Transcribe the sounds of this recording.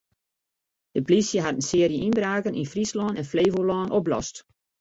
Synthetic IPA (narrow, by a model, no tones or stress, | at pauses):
d̥əplisjəɦatənsɪːərjəʔinbraːkəninfrislɔːnɛnfleːvolɔːnʔɔplɔ̰st